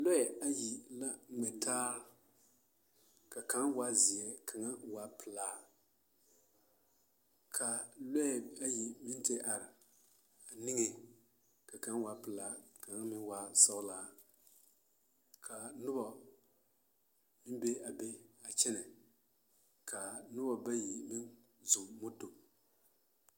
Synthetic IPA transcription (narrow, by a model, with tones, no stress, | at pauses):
lɔ˦ɛ˨a˦ji˨la˦˨mɛ˨tʰaː˦ɾ | ka˨ka˨˦nwa˦zi˨ɛ˨kʰa˨ŋa˦wa˨˦pʰɨ˨laː˨˦ | kʰa˨lɔ˦ɛ˨a˦ji˨mɪ˦n˦te˦ʔa˨ɾɪ˨ | a˨ni˦ŋe˨ | ka˨ka˦n˦wa˨˦pɨ˨laː˨˦ka˨ŋa˦mɪ˦nwa˦sɔ˦ʊ˦laː˦ | kʰa˨nʊ˦bɔ˨ | mɪ˦mbe˦a˨be˦a˨t͡ʃɛ˦nɛ˨ | kʰa˨nʊ˦bɔ˨ba˦ji˨mɪ˦n | zʊ˨mmʊ˦to˨